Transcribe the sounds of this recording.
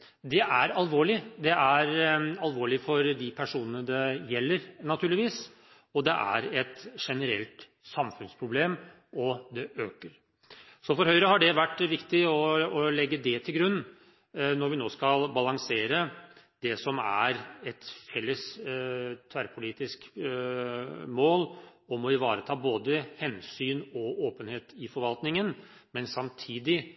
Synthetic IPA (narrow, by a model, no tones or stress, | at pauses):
d̪ɛʔæɾɑlʋoːɭɪd̪ɛæɾɑlʋoːɭɪfɔɾd̪ɪpʰæʂuːnənəd̪ɛjɛlːəɾnɑt̪ʰʉːɭɪʋiːs | ɔd̪ɛʔæ̰ɾɛt̪ʂɛnəɾɛ̰lt̪ | sɑmfʉnspʰɾʊbleːm | ɔd̪ɛʔøːkəɾ | sɔfɔɾhœʏɾəɦɑɖɛʋæʈːʋɪkt̪ɪɔːlɛɡːəd̪ɛt̪ʰɪlɡɾʉnː | nɔɾʋɪnoːskɑlbɑlɑŋseːɾə | d̪ɛsɔmæ̰ɾɛt̪fɛlːəs | t̪ʰæɾpʰʊliːt̪ɪsk | moːlɔmɔɪʋɑːɾət̪ʰɑːboːd̪əhɛnsyːnɔʔoːpənheːt̪ɪfɔɾʋɑlt̪nɪŋən | mɛnsɑmt̪ʰiːd̪ɪ